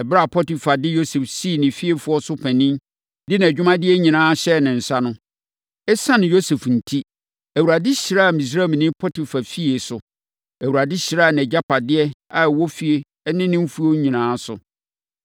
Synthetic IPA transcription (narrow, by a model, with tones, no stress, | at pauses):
ɛ˨bɾa˦˨pʰɔ˦ti˨fa˨dɪ˦jo˦sɛ˨fsi˦˨nɪ̃˨fi˦e˦fʊ˦ɔ˦sʊ˦pʰæ̃˨nĩ˦m | dɪ˦ñ˨d͡ʑᶣʊ˦mã˦dɪ˦ɛ˦ɲĩ˨nãː˦ɕɛ˦˨nɪ̃˨n̩˨sa˦nʊ̃˦ | ɛ˦sã˦nɪ̃˨jo˦sɛ˨fn̩˨tʰi˦ | æ˨wu˨ɾa˨dɪ˦ɕɪ˨ɾa˦a˨mĩ˨s̬ɾa˦˨m˨nɪ̃˦pʰɔ˦tʰi˨fa˨fi˦e˨sʊ˨ | æ˨wu˨a˨dɪ˦ɕɪ˨ɾa˦˨n˨ɛ˨d͡ʑa˦pʰa˨dɪ˦ɛ˦a˨wɔ˦fi˦e˨˦ | nɪ̃˦nɪ̃˦m̩˦fu˦o˦ɲĩ˨nãː˦sʊ̰˨